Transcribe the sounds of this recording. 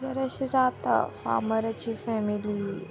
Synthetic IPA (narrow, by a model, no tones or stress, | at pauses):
zɐɾɐʃizaːt̪ɐ̰fa̰ːmɐɾɐt͡ɕifɛːmili